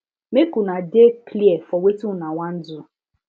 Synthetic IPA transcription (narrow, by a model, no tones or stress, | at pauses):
mekunadekliɛfɔwetunawʷan̩dʊ